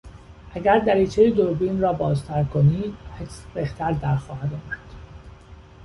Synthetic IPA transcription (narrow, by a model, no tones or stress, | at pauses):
ʔæɡæɾd̪æɾiːt͡ʃʰejed̪oɾbiːnrɒːbɒːzt̪ʰæɾkʰoniːd̪hesbeht̪ʰæɾd̪æɾxɒːɦæd̪ɒːmæd̪̥